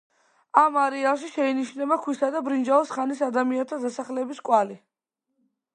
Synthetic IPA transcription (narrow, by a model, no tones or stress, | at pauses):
amaɾɛalˠʃiʃɛiniʃnɛbakʰwisad̪abɾind͡ʒaɔsχanisad̪amiant̪ʰad̪asaχlɛbiskʼwali